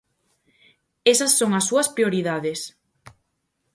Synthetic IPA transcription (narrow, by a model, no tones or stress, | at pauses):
esɐsːoŋɐsːuɐspɾioɾiðaðes